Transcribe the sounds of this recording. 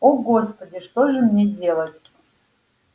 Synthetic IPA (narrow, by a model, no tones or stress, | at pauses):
oɡo̞spədʲɪʂt̪oʐɨmnʲedʲe̞lˠətʲ